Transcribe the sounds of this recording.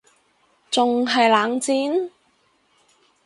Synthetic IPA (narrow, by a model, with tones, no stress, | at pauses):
t͡sʊ˨ŋɦɐ˨jlaː˨˥ŋt͡siː˨˥n